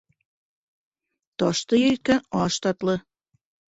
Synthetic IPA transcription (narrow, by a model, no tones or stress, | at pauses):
t̪ɒʃt̪ɤ̆jet̪̚kænɑʃt̪ɑt̪lɤ̆